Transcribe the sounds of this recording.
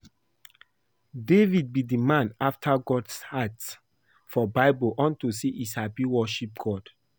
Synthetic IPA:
devid̚bidimãnaftʰaɡɔdshat | fɔbaɪbəlʔɔ̃ntusiʔisabiwɔʃip̚ɡ̥ɔd̥

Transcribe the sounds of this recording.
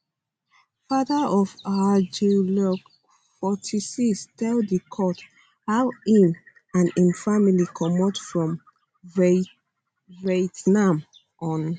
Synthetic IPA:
fadaɔvad͡ʒulɔk | fɔtʰisikstʰɛldəkʰɔt | haʊĩn | ãnĩnfamilikʰɔmɔtfɹɔ̃m | vetnãm | ʔɔ̃n

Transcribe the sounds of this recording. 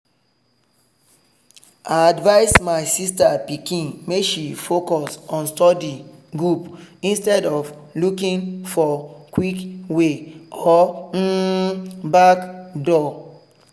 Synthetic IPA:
aadvaɪsmaɪsistapikĩnmeʃifokɔsɔ̃nstɔdiɡɹupĩnstɛdɔf | lukĩnfɔkwikweɔn̩ | bakdɔ

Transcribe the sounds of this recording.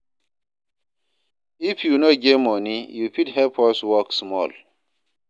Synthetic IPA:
ifjunoɡemɔnijufithɛpʰɔswɔksmɔ̰l

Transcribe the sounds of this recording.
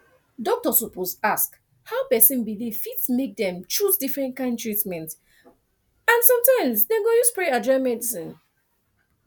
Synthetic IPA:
dɔk̚tɔsɔposask | haʊpɛsĩnbiliv̥fitsmek̚dɛ̃mt͡ʃusdifɹɛ̃nt̚kãɪ̃ndtɹitmɛ̃nt | ãnsɔ̃mtãɪ̃msdɛɡõjuspɹead͡ʒɔmɛdisĩn

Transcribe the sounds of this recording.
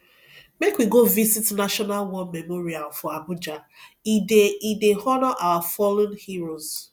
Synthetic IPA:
mekwiɡovisitnaʃɔnalwɔmemɔɾialfɔabʊd͡ʒa | ideidehɔnɔʔawafɔlõnhiɾoz

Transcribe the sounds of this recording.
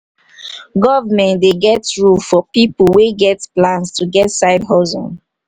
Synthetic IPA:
ɡɔvamɛ̃ndeɡɛtɹulfɔpipuweɡɛtplãnstuɡɛtsaɪdɦɔzɔ̰̃n

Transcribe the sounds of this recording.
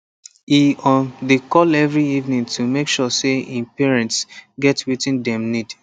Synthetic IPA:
iɔndekʰɔlɛvɹiivnĩŋtʰumekʃɔseĩnpɛɹɛ̃ntsɡɛtwitĩndɛ̃mnid

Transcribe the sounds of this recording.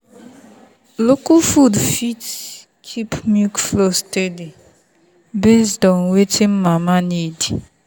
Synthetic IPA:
lokufudfit | kʰipmjukflostedi | besdɔŋwetim̩mamanidi

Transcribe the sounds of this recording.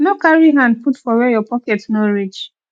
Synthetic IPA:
nokaɹiɦãnd̚putfɔwɛjɔpɔkɛtnoɹit͡ʃ

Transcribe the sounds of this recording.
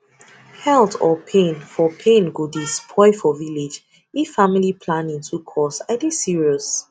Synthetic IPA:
hɛltʰɔpʰẽnfɔpʰẽnɡudispʰɔɪfɔvilid͡ʒ | ifamilipʰlãnĩntʰukʰɔsaɪdisiɹiɔs

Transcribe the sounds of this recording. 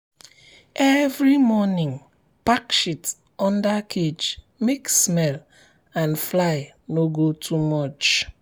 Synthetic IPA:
evɾimɔnɪ̃ŋ | pakʃit | ɔ̃ndakʰed͡ʒ | meksmɛl | ãnflaɪnoɡotʰumɔt͡ʃ

